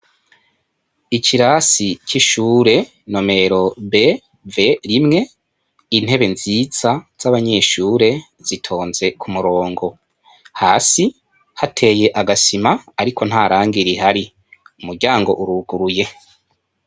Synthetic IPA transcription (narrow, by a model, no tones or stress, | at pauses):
iciɾaːsiciʃuːɾe̞ | no̞me̞ɾo̞be̞ | ve̞ɾimŋe̞ | in̥he̞βe̞nziz̥az̥aβaɲe̞ʃuːɾe̞ | z̥itʰo̞ːnze̞kʰumuɾo̞ːŋɡo̞ | haːsi | hatʰe̞je̞ʔaɡasimaːɾikʰo̞n̥haːɾaːŋɡiɾiɦaɾi | umuɾɟaːŋɡo̞̰ʔuɾuɡ̥uɾuje̞